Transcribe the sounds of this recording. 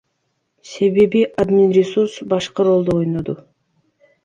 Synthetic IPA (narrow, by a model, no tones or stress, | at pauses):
se̞βe̞βiʔad̪minɾʲɪsuɾsbɑʃqɯɾo̞lˠd̪oo̞jnod̪u